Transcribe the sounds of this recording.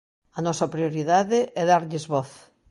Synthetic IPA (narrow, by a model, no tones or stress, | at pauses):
ɐnɔsɐpɾioɾiðaðɪʔɛðaɾʎɪzβɔθ